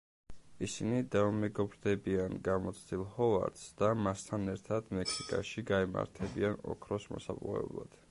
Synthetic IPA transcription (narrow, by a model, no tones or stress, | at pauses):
isinid̪aumɛɡɔbɾd̪ɛbianɡamɔt̪sʰd̪ilˠhɔva̰ɾd̪sd̪̥amast̪ʰanɛɾt̪ʰad̪̥mɛksikʼaʃiɡaima̰ɾt̪ʰɛbianɔ̰kʰɾɔsmɔ̰sa̰pʼuɛ̰blˠa̰d̪̥